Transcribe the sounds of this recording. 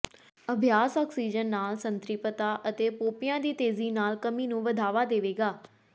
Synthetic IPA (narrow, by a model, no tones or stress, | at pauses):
əbʱjaːsɔːksiːd͡ʒənːaːlsənt̪ɾɪpət̪aːʔət̪eːpoːpɪjãːd̪iːt̪eːziːnaːlkəmiːnũːʋəd̪ʱaːʋaːd̪eːʋeːɡaː